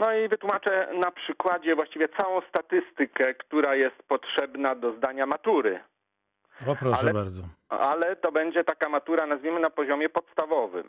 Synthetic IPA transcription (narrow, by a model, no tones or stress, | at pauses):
nɔivɘt̪wumat͡ʂɛnapʂɘkwad͡ʑɛvwaɕt͡ɕivʲjɛt̪sawɔ̃w̃st̪at̪ɘst̪ɘkɛkt̪uɾajɛst̪̚pɔtʂɛbnad̪ɔzd̪aɲamat̪uɾɘ̰ | ɔpɾɔʃabaɾd̪zɔalɛt̪ɔbɛɲd͡ʑɛt̪akamat̪uɾanazvʲimɘnapɔʑɔmʲjɛpɔt̪st̪avɔvɘ̰m